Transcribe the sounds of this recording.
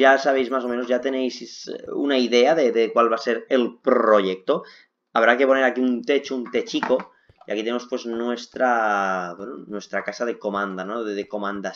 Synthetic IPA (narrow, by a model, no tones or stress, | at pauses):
jasaβ̞ejzmaso̞mẽnozʝat̪enejssṵnaiðeaðeðekwalβaseɾelpɾoʝek̚t̪o | aβ̞ɾake̞po̞neɾakiunt̪et͡ʃount̪et͡ʃiko̞ | iʔa̰kit̪enemospwe̞znwest̪ɾabwenonwe̞st̪ɾakasað̞e̞ko̞mãnd̪anoðeðeko̞mãnd̪a